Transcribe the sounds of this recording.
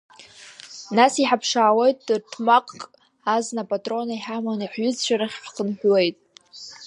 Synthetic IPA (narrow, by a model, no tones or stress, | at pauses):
nasiħapʰʂaːwejtʼrtʰmaqʼkʼ | aznapʼatʼro̞naiħamaniħɥʏzt͡ʃʷʰaɾaχʲħqʰənħʷwe̞jtʼ